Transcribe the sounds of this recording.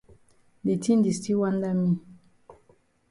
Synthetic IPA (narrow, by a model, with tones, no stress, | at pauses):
de˨tʰi˦n˦di˨sti˦wa˦nda˦mi˦